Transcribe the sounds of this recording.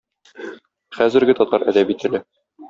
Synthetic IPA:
χæzɘ̆ɾɡɘt̪ɒt̪ɑɾʔæ̰d̪æbit̪ɘ̆lɘ

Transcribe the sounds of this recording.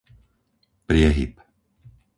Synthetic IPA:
pɾɪɛɦḭp

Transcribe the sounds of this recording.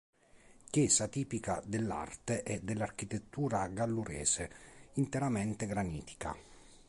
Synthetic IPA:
kjɛːsat̪iːpika̰d̪elːa̰rt̪eʔɛd̪ːelːark̟it̪et̪ːuːɾaɡalːuɾɛ̰ːseint̪eɾamɛnt̪eɡɾaniːt̪i̥ka̰

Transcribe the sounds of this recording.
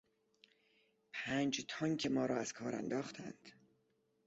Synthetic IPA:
pʰæːnd͡ʒt̪ʰɒːŋkʰemɒːɾɒːæz̥kʰɒːɾæ̰nd̪ɒːxt̪ʰæ̰nd̪̥

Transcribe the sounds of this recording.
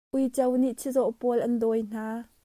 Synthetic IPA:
ʔujt͡sɐwniʔt͡sʰizɔʔpɔlʔɐndɔjn̥aː

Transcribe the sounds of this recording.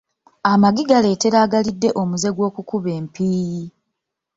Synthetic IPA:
amaɡiɡale̞ːte̞ɾaːɡalidːe̞ʔomuze̞ɡwo̞ːkukuβe̞ːmpiːji

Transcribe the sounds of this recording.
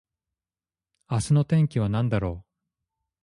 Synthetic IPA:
asɨno̞t̪ẽ̞ŋkʲiβ̞anãnd̪aɾo̞ː

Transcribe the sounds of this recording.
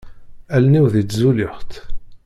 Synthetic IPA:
ælniwðit͡sːzulɪχt̪

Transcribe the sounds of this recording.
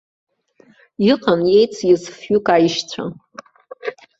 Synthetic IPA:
iqʼanjejt͡sʰjɪsfʊkʼajiʃt͡sʷʰa̰

